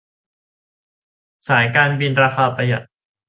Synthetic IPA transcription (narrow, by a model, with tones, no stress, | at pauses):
saː˩˦jkaː˧nbi˧nɾaː˧xaː˧pa˧ja̰˨˩t̪̚